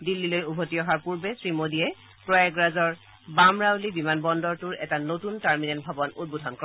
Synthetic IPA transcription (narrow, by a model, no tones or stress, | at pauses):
dilːilojubʱotiɔɦaɹpuɹbesɹimodiɛ | pɹɔɛɡɹazɔɹ | bamɹalibimanbɔndɔɹtʊɹɛ̰tanotuntaɹminɛntbʱabɔnud̚budʱɔnkɔɹ